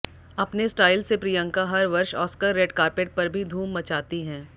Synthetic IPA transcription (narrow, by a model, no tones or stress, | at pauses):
ɐpnesʈaːɪlsepɾijə̃ŋkaɦɐɾʋɐɾʃɔːskəɾːeːɖkaːɾpeːʈ̚pɐɾbʱid̪ʱuːmːɐt͡ʃaːt̪iɦɛ̃ː